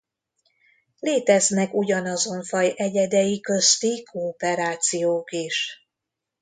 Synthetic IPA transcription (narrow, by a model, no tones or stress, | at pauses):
leːt̪ɛznɛkuɟɒnɒzo̞ɱfɒjɛɟɛd̪ɛjikø̞st̪ikoːpɛɾaːt̪sijoːkiʃ